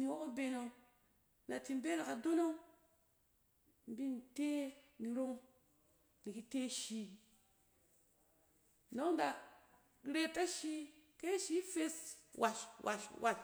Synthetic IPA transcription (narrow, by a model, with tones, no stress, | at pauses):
ni˨wo˦ko˦be˨no˨ | nda˨ti˨m˦be˦na˨ka˨do˦no˦ | m˨bi˦n˨te˦ni˨ɾo˦ŋ | ni˨ki˦te˦ʃi˨ | no˦ŋn˦da˨ | ɾe˦ta˦ʃi˦ke˦ʃi˦fe˦swa˨ʃwa̰˨ʃwʔa̰˨l